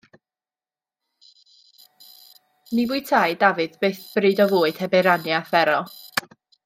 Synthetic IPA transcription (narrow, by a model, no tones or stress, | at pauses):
nivʊɨtʰajdavɨðbeɨθb̥rɨːdɔvʊːɨd̥hɛbɨɾanjafɛɾɔ